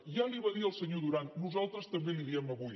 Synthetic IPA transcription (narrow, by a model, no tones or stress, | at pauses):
ʒaliβəðiəlˠsəɲoðuɾannuzalˠt̪ɾəst̪əmbeliɾiɛmɐβuj